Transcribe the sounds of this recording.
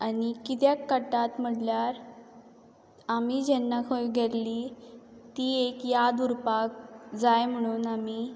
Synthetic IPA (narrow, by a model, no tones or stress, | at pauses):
anikit̪̬jakːəʈat̪m̤əɽljaɾ | amid͡ʑɛnːakʰojɡʱeɾlit̪iːekjad̪uɾpak̚d͡zajm̤əɽ̃uːnami